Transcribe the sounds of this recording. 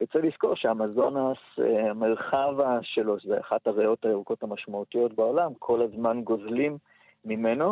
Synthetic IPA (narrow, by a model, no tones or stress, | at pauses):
jot͡selisko̞ʁʃeamazo̞naseamelχavaʃe̞lo̞ʃzeaχathaʁejo̞tajeʁuko̞thamaʃmautijo̞tbao̞lamkʰo̞lazmanɡo̞zlimː | imeno̞